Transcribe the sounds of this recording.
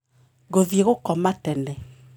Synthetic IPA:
ɣoðjeɣokɔmatɛnɛ

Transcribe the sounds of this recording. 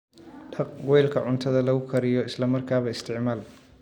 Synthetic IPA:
t̪ʰɐqwɛjlkʰɐʕʊnt̪ʰɐðɐlɐɣʊkʰɐɾɪjɔɪslɐmɐrkʰaːβɐɪst̪ʰɪʕmaːl

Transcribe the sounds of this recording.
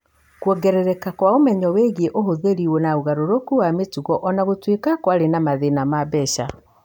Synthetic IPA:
kwɔɡɛɾɛɾɛkakwaomɛɲɔweɣieʔoɦoðeɾiwonauɣaɾoɾokuwametuɣɔʔɔnaɣotwekakwaɾenamaðenamabɛɕa

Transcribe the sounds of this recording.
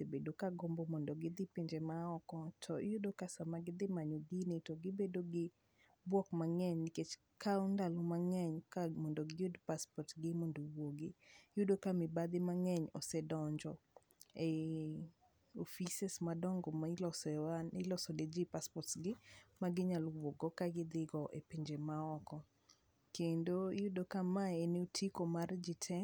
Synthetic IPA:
sebedokaɡɔmbɔmɔndɔɡɪd̪ɪpiɲd͡ʒemaɔkɔtʰɔjʊdokasamaɡɪd̪ɪmaɲoɡinetoɡɪbedoɡɪ | bwɔkmaŋɛɲnɪket͡ʃ | kʰaundalomaŋɛɲkamɔndoɡɪjʊdpaspɔrtɡɪmɔndowoɡɪjʊdokamɪbad̪ɪmaŋɛɲɔ̰sɛdɔɲd͡ʒɔ | e | ofisɛsmadɔŋɡɔlɔsnɪlɔsɔded͡ʒipaspɔtsɡɪmaɡɪɲalwwoɡɔkaɡɪd̪ɪɡɔʔḛpiɲd͡ʒemaɔkɔ | kendojʊdokamaeneotʰikomard͡ʒɪtʰɛ

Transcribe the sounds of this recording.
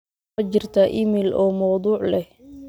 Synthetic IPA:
ɐt͡ʃɪrt̪ʰɐʔɪmɪlʔɔːmɐwd̪uːʕlɛ

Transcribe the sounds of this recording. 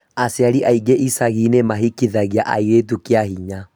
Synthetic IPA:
aseaɾiʔaiŋɡeʔisaɣinemaɦikiðaɣiaʔa̰iɾet̬ukeaɦiɲa

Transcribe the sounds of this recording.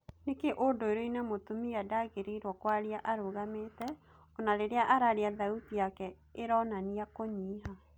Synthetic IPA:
nekeʔondoeɾoinɛmotomiadaɣeɾeiɾwɔkwaɾiaʔaɾoɣametɛ | ɔnaɾeɾeaʔaɾaɾeaðauðiakɛ | eɾɔnaniakoɲiːɦa

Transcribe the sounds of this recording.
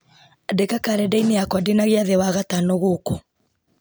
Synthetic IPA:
dekakaɾɛdaineakwadenaɣeaðɛwaɣatanɔɣoko

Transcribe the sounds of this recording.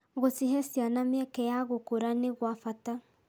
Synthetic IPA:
ɣosiɦɛsjanamjakɛjaɣokoɾaneɣwafata

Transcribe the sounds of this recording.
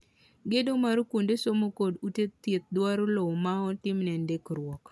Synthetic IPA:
ɡedomaɾokundesomokodutett̪ːet̪̚dwaɾolowmaɔtɪmnɛndekɾwɔk

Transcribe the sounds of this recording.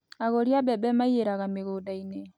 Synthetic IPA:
aɣoɾiabɛbɛmaieɾaɣameɣodainɛ

